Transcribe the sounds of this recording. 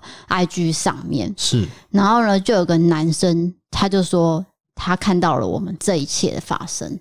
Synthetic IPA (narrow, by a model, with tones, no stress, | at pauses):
a˥ɪt͡ɕy˥ʂɑ̰˥˨˩ŋmjɛ̰˥˩nʂɻ̩˥˩na˧˥nxo˥˩ʊnə˩ʈ͡ʂɤ˥˩ɡə˨˩na˧˦˥nʂə˥nt̪ʰa˥t͡ɕjo˥˧ʊ˩ʂwɔ˥ | t̪ʰa˥kʰa˥˧nt̪ɑ˥˩ʊlə̰˩wʔɔ̰˨˩mə˦nt͡sɤ˥˧i˧˥t͡ɕʰjɛ̰˥˩d̪ə̰˩fa̰˥ʂə̰˥ŋ